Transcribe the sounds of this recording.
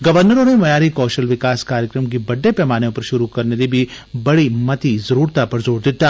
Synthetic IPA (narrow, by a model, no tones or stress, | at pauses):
ɡɐʋəɾnəɾõnemɐjaːɾikɔːʃəlʋɪkaːskaːɾjəkɾəmk̬ibɐɖːepɛːmaːnjõpɐɾʃʊɾukɐɾned̪ibʱi | bɐɽimɐt̪izɐɾuːɾt̪apɐɾzoːɽd̪ɪt̪ːaː